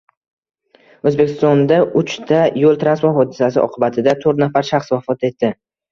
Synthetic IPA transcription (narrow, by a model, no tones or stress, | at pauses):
ɵzbe̞kʲɪst̪ɒnd̪aʔʊt͡ʃt̪ʰajolˠt̪ʰɾansmaɦɒd̪ɪsasɪ̰ɒ̰qʰɨbat̪ʰɪd̪at̪ʰɵɾt̪nafaɾʃaχsvafɒt̪e̞t̪ːɪ